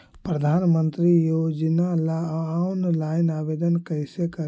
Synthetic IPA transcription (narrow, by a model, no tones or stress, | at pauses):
pɾəd̪ʱanmənt̪ɾijod͡ʒnalaːunlaɪnabed̪ənkəjsekə